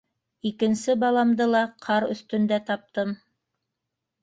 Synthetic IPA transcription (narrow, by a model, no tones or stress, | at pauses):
ikɘ̆nsɘbɑlˠɑmd̪ɤlˠɑqʰɑɾɵ̰̆θt̪ɵ̆nd̪æt̪ɑp̚t̪ɤm